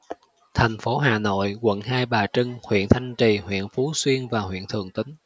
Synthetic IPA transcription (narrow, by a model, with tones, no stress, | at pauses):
t̪ʰɛ˨˩jŋ̟fo˨˦ɦaː˨˩no̰˧˨jkwə̰˧˨nhaː˧jɓaː˨˩t͡ɕɨ˧ŋhwḭ˧˨ənt̪ʰa˧jŋ̟t͡ɕi˨˩hwḭ˧˨ənfu˨˦swi˧ənvaː˨˩hwḭ˧˨ənt̪ʰɨ˨˩əŋt̪ï˨˦ŋ̟